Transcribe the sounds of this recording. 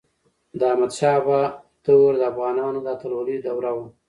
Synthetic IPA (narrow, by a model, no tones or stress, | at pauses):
d̪əamad̪ʃɑpa | t̪əwoɾd̪əafɣɑnɑnod̪at̪aɾolijd̪awɾawa